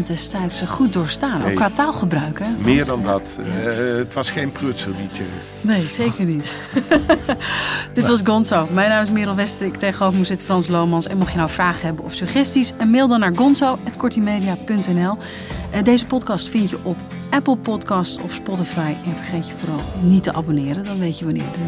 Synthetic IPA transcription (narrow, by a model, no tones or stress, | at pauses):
ndɛstɛjtsχut̚dʊːɹstaːnʔo̰kːʋaːtaːlˠχəbrœɥkəmɪːɹdɑndɑt | ətʋɑsχejnprøtsəlˠdit͡ʃə̰ | nejzejkəɹnit | d̥ɪtʋɑsɡɔnsowmɛjnaːmɪsmɪːɾɔlˠʋɛstəɾktejχəowfmusɪtəfrɑnslowmɑnsɛnmɔχjənawfraːχəɦɛbənɔfsyχɛstisɛnmeːlˠdɑnːaːɹɡɔnsowɛtkɔɹtimejdijapɵntɛnɛlˠ | dejzəpɔtkɑstfɪntjəʔɔp | ʔɛpəlˠpɔtkɑstɔ̰fspɔtəfajɛnvəɹχejtjəvʊːrɑlˠnitəʔa̰bonɪːɾəndɑnʋejtəʋanɪ̰ːɹdə